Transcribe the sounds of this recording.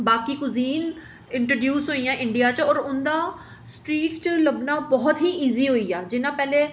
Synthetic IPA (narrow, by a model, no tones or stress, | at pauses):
baːkiːkʊziːn | ɪ̃ɳʈɾoːɖjuːsɦoːijãːʔɪ̃ɳɖijaːt͡ʃɔːɾʊnd̪aː | sʈɾiːʈt͡ʃələbnaːbɔːt̪ɦiːʔiːziːɦoːiːaːd͡ʒɪnãːpɛːleː